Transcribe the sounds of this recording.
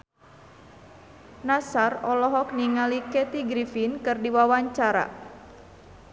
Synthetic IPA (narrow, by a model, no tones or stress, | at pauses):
nasarɔlɔɦɔk̚niŋalikɛt̪iɡɾifinkɨrdiwawaɲt͡ʃaɾa̰